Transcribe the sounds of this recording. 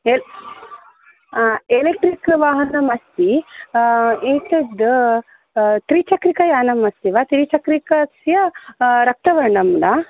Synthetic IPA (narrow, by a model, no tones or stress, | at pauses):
e | elek̚ʈɾikʋaːɦɐnɐmɐst̪i | eːt̪ɐd̪ | t̪ɾiːt͡ʃɐkɾikɐjaːnɐmɐst̪iʋat̪ɾiːt͡ʃɐkɾikɐsjɐɾɐk̚t̪ɐʋɐɾɳɐmna